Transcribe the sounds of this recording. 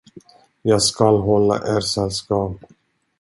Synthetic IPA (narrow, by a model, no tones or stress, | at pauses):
jɑːɡskalɦɔlːa̰ʔɛːɾsɛlːskɑːp